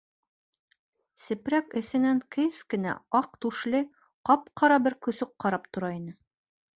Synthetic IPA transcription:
sɘ̆pɾækɘ̆sɘ̆næŋkɘskɘ̆næ̰ɑq̚t̪ʉʃlɘ | qɑpqɑɾɑbɘɾkɵ̆sɵqqːɑɾɑp̚t̪ŏɾɑinɘ

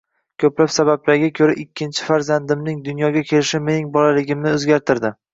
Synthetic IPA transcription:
kʲʰɵplapsabablaɾɡʲakʲʰɵɾaʔɪkʲʰːɪnt͡ʃʰɪ̥faɾzand̪ɪmnɪŋd̪ʊnjɒɡʲakʲʰe̞lɪʃɪme̞nɪŋbɒlalɪɡʲɪmnɪɵzɡʲaɾt̪ʰɪɾd̪ɪ

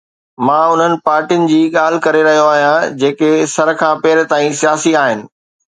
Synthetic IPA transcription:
mãːʊn̤ənɪ̆paːɾʈiʊnɪ̆d͡ʑiːɠaːl̤ɪkɐɾeɾɐɦijoaːɦijãd͡ʑeːkesɐɾkʰãːpɛɦɪɾt̪aːĩsijaːsiaːɦɪnɪ̆

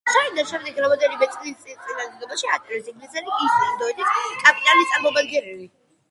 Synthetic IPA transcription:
said̪anʃɛmd̪ɛɡɾamɔd̪ɛlimɛt̪sʼinist̪sʼit̪sʼinaːd̪d̪ɛɡɔbaʃiat̪ʼisiŋɡlisɛliisad̪ɔɛd̪iskʼapʼit̪ʼalist̪ʼaɾmɔmad̪ɡɛɾɛli

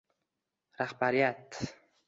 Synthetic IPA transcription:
ɾahbaɾijat̪

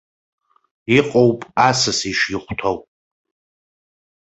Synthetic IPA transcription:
iqʼowpʼasɨsiʂjɪχʷtʰowpʼ

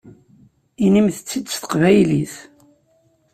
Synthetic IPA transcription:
inimθət͡sːid̪sθə̥qvæjliθ

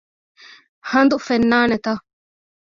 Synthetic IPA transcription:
hɐnd̪ufenːaːnet̪ɐ

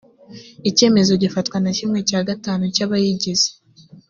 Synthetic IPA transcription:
ice̞ːme̞zo̞ɟifatkwanacimŋe̞caːɡataːnucaβajiɟiz̥e̥

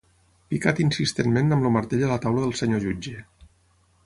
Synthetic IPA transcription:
pikat̪insist̪enmenəmloməɾt̪eʎələt̪awləðəlˠsəɲoʒud͡ʒe

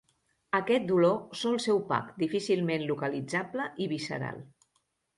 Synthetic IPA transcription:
əkɛt̪̚d̪ulosolˠsɛwpa̰kd̪ifisilˠmenlukəlid͡zabləʔiβisə̰ɾa̰lˠ

